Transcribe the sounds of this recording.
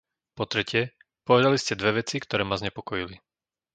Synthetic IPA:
pɔt̪ɾɛcɪɛ | pɔʋɛd̪aliscɛd̪ʋɛʋɛt͡sikt̪ɔɾɛːmazɲɛpɔkɔjili

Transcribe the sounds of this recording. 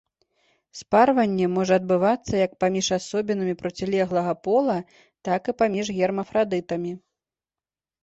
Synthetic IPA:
sparvɐnʲːɛmɔʐɐɐd̪̚bɨvat̪sːɐjɐk̚pamʲiʂasɔbʲinɨmʲipɾɔt͡sʲilʲɛɣlˠɐɣɐpɔlˠɐ | t̪akɨpamʲiʐɣʲɛrmɐfɾad̪ɨt̪ɐmʲi

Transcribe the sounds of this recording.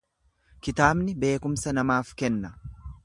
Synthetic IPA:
kɪt̪aːbnɪbe̞ːkʊmsɐnɐmaːfkɛnːɐ

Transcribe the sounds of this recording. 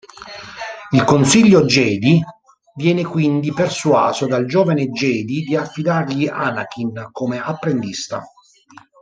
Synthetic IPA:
ilkonsiʎːod͡ʒɛːd̪i | vjɛːnekwind̪ipersuwa̰ːzod̪ald͡ʒoːvaned͡ʒɛːd̪id̪iafːid̪arʎiʔanakinkomeapːɾend̪ist̪a̰

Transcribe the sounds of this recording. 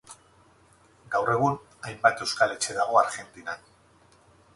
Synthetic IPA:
ɡawre̞ɣ̞un | ajmbat̪e̞wskale̞t͡ʃe̞ðaɣ̞o̞aɾɣe̞nt̪inan

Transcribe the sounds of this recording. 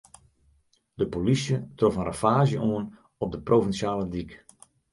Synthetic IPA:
dəpolisjətrɔfənrafaːzjəʔoən | ɔp̚dəprovinsjaːlədik

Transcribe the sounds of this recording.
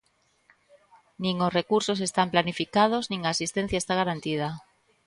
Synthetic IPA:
nĩŋosrekuɾsose̞st̪amplanifikað̞oznĩŋaːsist̪en̟θjaest̪aɣ̞aɾant̪ið̞a

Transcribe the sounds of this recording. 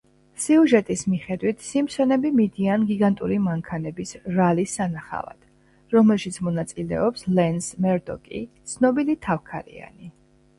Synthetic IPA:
siuʒɛt̪ʼismiχɛd̪wit̪ʰsimsɛnɛbimid̪ianɡiɡant̪ʼuɾimaŋkʰanɛbisɾalisːanaχa̰va̰d̪̥ | ɾɔmɛlˠʃit̪sʰmɔnat̪sʼilɛ̰ɔpslɛnsmɛɾd̪ɔ̰kʼḭt̪sʰnɔbilit̪ʰafkʰaɾḭa̰ni

